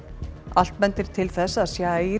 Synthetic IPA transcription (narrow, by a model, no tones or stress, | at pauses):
al̥t̪mɛnt̪ɪɾ̥t̪ʰɪlθɛsːaðsjaːi